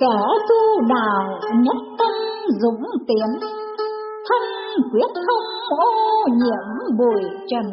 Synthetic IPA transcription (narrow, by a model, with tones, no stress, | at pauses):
kɛ˧˩t̪u˧ɗaː˧˨˩wɲə˦˥t̚t̪ə˧nzʊ̰˧˥ŋ͡mt̪i˨˦ən | t̪ʰə˧ŋ | kwi˦˥ət̚xə˧wŋ͡mmo̰˧˥ɲḭ˧˨əmɓu˨˩jt͡ɕə˨˩n